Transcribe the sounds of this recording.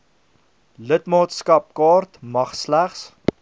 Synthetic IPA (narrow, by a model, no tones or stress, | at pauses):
lətmɑːtskɐp̚kɑːrtmɐχslæχs